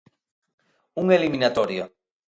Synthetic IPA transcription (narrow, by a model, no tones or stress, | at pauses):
uŋeliminat̪oɾja